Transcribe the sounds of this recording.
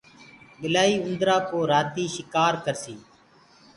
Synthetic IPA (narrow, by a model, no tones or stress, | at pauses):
ɠɪlaːiːʊnd̪ɾaːpoːɾaːt̪iːʃɪkaːɾkəɾsiː